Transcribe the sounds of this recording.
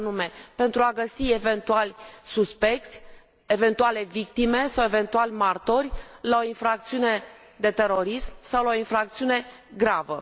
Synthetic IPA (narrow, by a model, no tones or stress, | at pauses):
nume̞pe̞nt̪ɾuaɡəsie̞ve̞nt̪ualʲsuspe̞k̚t̪sʲ | e̞ve̞nt̪uale̞vik̚t̪ime̞sawe̞ve̞nt̪ualʲmart̪o̞rʲlao̞infɾak̚t̪siune̞ | d̪e̞t̪e̞ɾo̞ɾismsawlaoinfɾak̚t̪siune̞ | ɡɾavə̰